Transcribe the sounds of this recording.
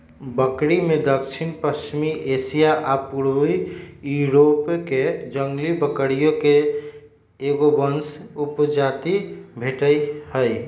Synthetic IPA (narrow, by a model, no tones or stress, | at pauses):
bəkɾimed̪əkt͡ʃʰinpəst͡ʃimiʔesijaʔapuɾijuɾopked͡ʒəŋɡlibəkəɽijõke | eɡobənsupd͡ʒat̪ibʱeʈəihəj